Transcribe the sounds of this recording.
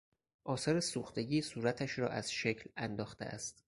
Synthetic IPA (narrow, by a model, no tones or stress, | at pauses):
ʔɒːsɒːɾesuːxt̪e̞ɟiːsuːɾæt̪ʰæʃɾɒ̰ːʔæz̥ʃecʰlænd̪ɒːxt̪ḛʔæ̰st̪